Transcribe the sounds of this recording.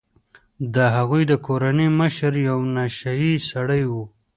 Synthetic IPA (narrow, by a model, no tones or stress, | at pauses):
d̪əɦaɣujd̪əkoɾaniməʃəɾjawnaʃajisaɽəjwu